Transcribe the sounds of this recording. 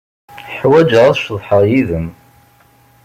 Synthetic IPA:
ħwæd͡ʒəʁæθʃðˤħəʁjiðəm

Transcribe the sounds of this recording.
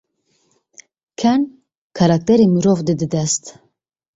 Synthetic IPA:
kʰɛn | kʰɑɾɑk̚t̪ʰɛɾimuɾovd̪ɨd̪ɨd̪ɛst̪

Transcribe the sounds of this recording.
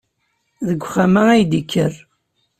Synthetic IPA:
ðəɡʷːχamææjd̪ikʰːər

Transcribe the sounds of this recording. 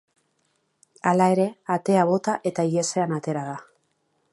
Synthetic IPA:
alae̞ɾe̞at̪e̞aβo̞t̪aʔe̞t̪aiese̞anat̪e̞ɾaða

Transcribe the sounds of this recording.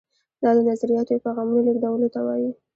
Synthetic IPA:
d̪ɑd̪ənazaɾijɑt̪od̪əpajɣɑmunolɪɡd̪awəlot̪awɑ̰ji

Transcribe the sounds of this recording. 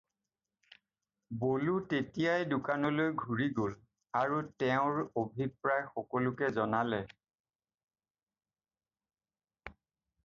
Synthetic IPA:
bolutetijajdʊkanɔlojɡʱuɹiɡol | aɹutɛʊ̃ɹobʱipɹajxɔkɔlʊkɛzɔnalɛ

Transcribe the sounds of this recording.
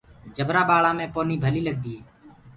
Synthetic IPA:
d͡ʒəbɾaːɓaːɭãːmẽːpoːniːbʱəliːləɡ̚d̪iːeː

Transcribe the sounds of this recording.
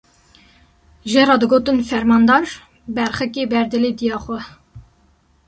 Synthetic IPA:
ʒeɾɑːd̪ɨɡoːt̪ɨnfɛɾmɑːnd̪ɑːɾ | bɛɾχɛkeːbɛɾd̪ɨled̪ijɑːxʷɛ

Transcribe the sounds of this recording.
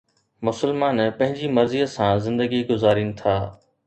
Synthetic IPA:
mʊsəlmaːnpɐ̃ɦɪ̃ɲd͡ʑimɐɾziəsãːzɪ̃nd̪əɡiɡʊzaːɾinɪ̆t̪ʰaː

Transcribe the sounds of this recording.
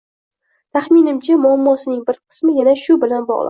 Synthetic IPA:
t̪ʰaχminɪmt͡ʃʰamʊamːɒsɪnɪŋbɪɾqʰɨ̥smɪjanaʃʊbɪlanbɒ̰ʁlˠɪ̰

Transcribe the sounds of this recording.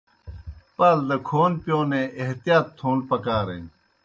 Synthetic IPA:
pɐld̪ɐkʰoːnpjõːneʔeɦt̪ijaːt̪ʰːũːnpɐkaːɾḛ̃ː

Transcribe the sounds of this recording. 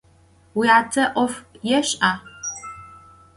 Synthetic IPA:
wiaːtʰɐʔʷɔfjɛɕʼʔaː

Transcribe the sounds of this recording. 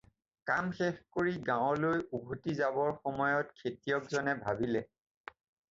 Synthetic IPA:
kamxexkoɹiɡãwlojubʱutizabɔɹxɔmɔjɔtkʰetijɔkzɔnɛbʱabilɛ

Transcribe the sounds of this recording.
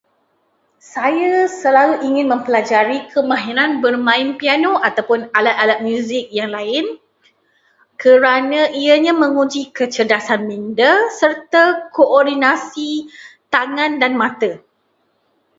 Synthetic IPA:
sajasəlaluʔiŋɪ̃nmə̃mpəlad͡ʒaɾikʰəmãɦiɾanbərmãɪnpianoat̪awpʊnalat̪̚alat̪̚mjũzɪk̚jaŋlaɪn | kəɾanãʔiəɲamə̃ŋud͡ʒikət͡ʃədasanmĩndəsərt̪akoʔɔrdinasit̪aŋãndanmãt̪ə

